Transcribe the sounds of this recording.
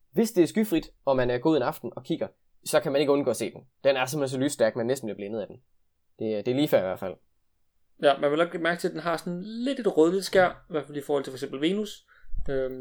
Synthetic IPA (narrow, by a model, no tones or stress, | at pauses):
ʋe̝sd̥e̝æɐsɡ̥yfʁid̥ɒ̽mænæɐɡ̥o̝ːðˠenɑ̈fd̥n̩ɒ̽kʰiɡ̥ɐ | sɒ̽kʰæmæne̝ɡ̥əɔ̽nɡ̥ɔ̰ːɐse̝̰ːd̥end̥enæɐsemes̬ɒ̽lysd̥æɐɡ̥̚mænːesd̥n̩b̥liɐblenəð̞̩ˠæd̥en̩ | d̥e̝d̥e̝æɐliːfæɐiʋæɐfæl̰ | jæmænʋe̝nɒ̽ɡ̥b̥limæɐɡ̥ə̥t͡sʰe̝d̥enɦɑ̈sɒnle̝d̥e̝d̥ʁɔðˠlid̥sɡ̥æɐ̰iʋæɐfælifɔːhɒ̽l̰t͡sʰe̥fɒeɡsembl̩ʋe̝ːnus | ø